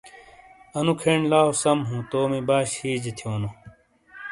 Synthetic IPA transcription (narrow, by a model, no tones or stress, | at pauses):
ɐnukʰeɳlaːosɐmɦũt̪oːmibaːɕhiːd͡ʑet̪ʰjoːnu